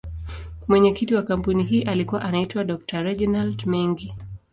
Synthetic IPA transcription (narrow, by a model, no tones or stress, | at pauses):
mwɛɲɛkitiwakam̩puniɦiːʔalikuwaʔanaitwaɗɔk̚taɾɛʄnaltmɛŋɡi